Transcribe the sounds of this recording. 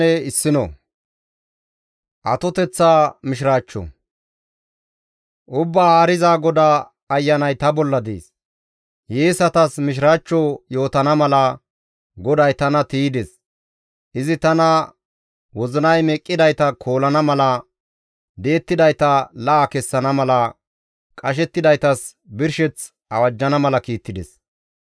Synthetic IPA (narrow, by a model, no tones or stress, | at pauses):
ɛɪsːɪnɔ̰ | ʔɐt̪ɔt̪ɛt͡sːaːmɪʃ̬ɪɾaːt͡ʃːɔ̰ | ʔʊbːaːhaːɾɪzaːɡɔd̪aː | ɐjːɐnɐjt̪ɐbɔlːɐd̪ḛːs | jeːsɐt̪ɐsmɪʃ̬ɪɾaːt͡ʃːɔjo̞ːt̪ɐnɐmɐlɐ | ɡɔd̪ɐjt̪ɐnɐt̪iːd̪ɛs | ʔɪzɪt̪ɐnɐ | wɔzɪnɐjmɛkʼːɪd̪ɐjt̪ɐkʰo̞ːlɐnɐmɐlɐ | d̪e̞ːt̪ːɪd̪ɐjt̪ɐlɐʔːkɛsːɐnɐmɐlɐ | kʼɐʃ̬ɛt̪ːɪd̪ɐjt̪ɐs | bɪɾʃɛt͡s | ɐwɐd͡ʒːɐnɐmɐlɐkiːt̪ːɪd̪ɛ̰s